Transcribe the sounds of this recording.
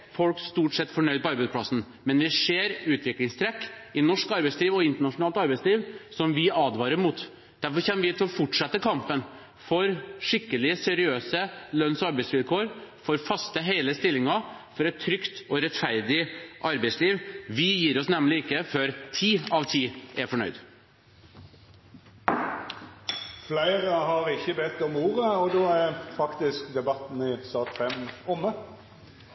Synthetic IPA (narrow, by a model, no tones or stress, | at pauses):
fɔlkst̪uːʈsɛt̪ːfɔɳœʏd̪̚bɑɾbʉd̪̚pʰlɑsn̩ | mɛnʋɪʂeːɾʉːt̪ʰʋɪklɪŋst̪ʰɾɛkːɪnɔʂkɑɾbæɪsliːʋɔɪnt̪əɳɑʂʊnɑːlt̪ɑɾbæɪsliːʋsɔmʋɪɑːd̪ʋɑːɾəɾmut̪ | d̪̥æɾfɔɾçɛmːəʋɪt̪ʰɪlɔfɔʈʂɑt̪ːəkʰɑmpən | fɔɾʂɪkːəlɪsɛɾɪøːsəlœnsɔɑɾbæɪsʋɪlkʰoːɾfɔɾfɑst̪əɦeɪləst̪ɪlːɪŋɑfɔɾɛt̪ʰːɾʏkt̪ɔɾɛt̪fæɾd̪ɪʔɑɾbæɪtsliːʋʋɪjiːɾɔsnɛmlɪɪkːəføːɾt̪ʰiːɑʋt̪ʰiːʔæfɔɳœ̰ʏd̪ | flæɪɾəɦɑɾɪçəbɛt̪ːɔmuːɾəɔd̪oːæɾfɑkt̪ɪskd̪ɛbɑt̪n̩ɪsɑːt̪fɛmʊmːə